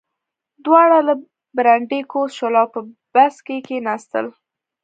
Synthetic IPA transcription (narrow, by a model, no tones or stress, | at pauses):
d̪wɑɽalə | bɾaɳɖekosʃolɑpəb̥askekenɑst̪ə̰l